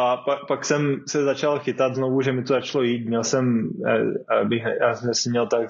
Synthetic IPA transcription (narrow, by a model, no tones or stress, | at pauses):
ʔapapaksɛmsɛzat͡ʃalxɪt̪ad̪znovuʒɛmɪt̪ozat͡ʃalojiːt̪mɲɛlsɛm̰ | bɪxjaːsɛmʒɛsimɲɛlt̪ak